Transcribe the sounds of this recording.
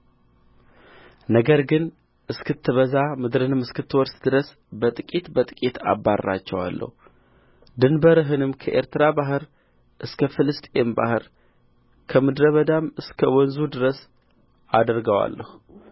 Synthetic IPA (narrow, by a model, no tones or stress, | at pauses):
nəɡəɾɡɨn | ʔɨskʰɨt̪ʰːɨβəzamɨd̪ɾɨnɨmɨskɨt̪ʰːɨwɔɾsd̪ɨɾəs | bət̪ʼɨkʼit̪bət̪ʼɨkʼit̪ʰa̰bːarːa̰t͡ʃːɛwa̰lːə̰hu | d̪ɨnbəɾɨɦɨnɨmkʰəʔe̞ɾt̪ɨɾabaɦɨɾ | ʔɨskʰəfɨlɨst̪ʼemba̰hɨɾ | kʰəmɨd̪ɾəβəd̪amɨskʰəwɔnzud̪ɨɾəs | ad̪ɾɡəwa̰lːə̰hu